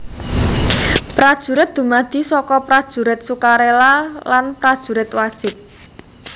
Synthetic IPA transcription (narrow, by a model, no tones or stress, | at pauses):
pɾad̥ʒ̥ṳɾɪt̪̚d̪̥ṳmad̪̥i̤sɔkɔpɾad̥ʒ̥ṳɾɪt̪̚sukaɾelalanpɾad̥ʒ̥ṳɾɪt̪wad̥ʒ̥ɪp̚